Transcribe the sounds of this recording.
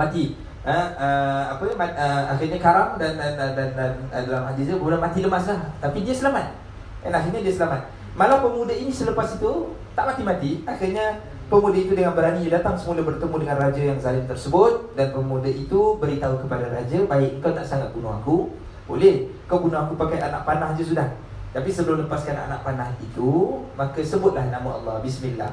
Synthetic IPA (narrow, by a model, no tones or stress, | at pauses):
mat̪i | ʔəəa̰pəmaəa̰xɪrɲakaɾaŋdanndandanədalamalezəbəunamat̪iləmas̬laht̪apidiasəlamat̪̚ | a̰naxirɲadiasəlamat̪̚ | malampəmudəinĩsələpasit̪ut̪aʔmat̪imãt̪iaxɪrɲa | pəmudəit̪udəŋanbəɾanijadat̪aŋsəmuləbərt̪əmũdəŋanrad͡ʒajaŋzalɪnt̪ərsəbʊt̪̚danpəmudəit̪ubəɾit̪aukəpadaɾad͡ʒəbaɪʔŋkawna̰ʔsaŋat̪̚bunuɦa̰ku | b̥o̰lɛhkawbunuɦakupakajana̰ʔ̚panaɦd͡ʒus̬udah | t̪apisəbəlʊləpaskana̰na̰ʔ̚panahit̪umakəsəbʊt̪̚lahnamaɑ̰lˠːɑhbismilːa̰h